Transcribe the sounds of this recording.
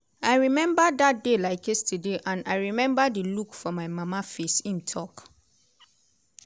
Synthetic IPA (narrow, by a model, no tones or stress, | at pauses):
aɪɹimɛ̃mbadat̚delaɪkestʰedeʔãnaɪɹimɛ̃mbadəlukfɔmaɪmamafesĩntʰɔk